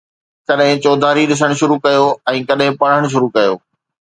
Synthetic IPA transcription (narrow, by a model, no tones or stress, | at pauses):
kɐɗɦɪ̃t͡ɕoːd̪ʱaːɾiɗɪs̬əɽ̃ʃʊɾukɐjoɛ̃ːkɐɗɦɪ̃pɐɽ̤əɽ̃ʃ̬ʊɾukɐjoː